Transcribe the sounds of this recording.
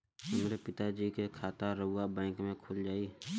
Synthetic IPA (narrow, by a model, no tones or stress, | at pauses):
ʊmɾepɪt̪ad͡ʒiːkekʰaːt̪aɾəabɛ̃ːŋkmẽkʰʊld͡ʒaːi